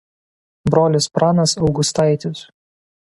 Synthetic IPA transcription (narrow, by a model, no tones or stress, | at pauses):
bɾoːlʲɪspɾɑːnɐsɒʊɡʊst̪ɑˑɪt̪ʲʊs